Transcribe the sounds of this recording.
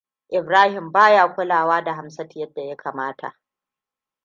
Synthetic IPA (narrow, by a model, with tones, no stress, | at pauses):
ʔɪ˨bɾaː˦hɪ˨mbaː˦jaː˦˨kʷʊ˦laː˨waː˦da˨ɦa˨msɐ˦tɪ˨jɐ˦dːa˨ja˦kaː˨maː˦tʰa̰˨ʔ